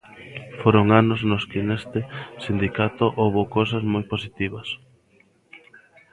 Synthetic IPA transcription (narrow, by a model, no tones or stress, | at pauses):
foɾoŋanoznoskɪnest̪ɪsind̪ikat̪oʔowβokowsɐzmojposit̪iβɐs